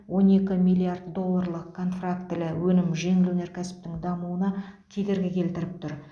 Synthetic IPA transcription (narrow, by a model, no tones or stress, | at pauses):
wo̞ne̞kʲɪmijlˠːiard̪d̪o̞lˠːarlˠəqkʰːo̞nfrak̚t̪ːɪlɪwɵnɪmʒe̞ŋɪlwɵneɾkʲʰæsɪ̥p̚t̪ɪŋd̪ɑmuənɑkʲʰe̞d̪e̞ɾɡʲekʲʰe̞lt̪ɪɾɪp̚t̪ʊɾ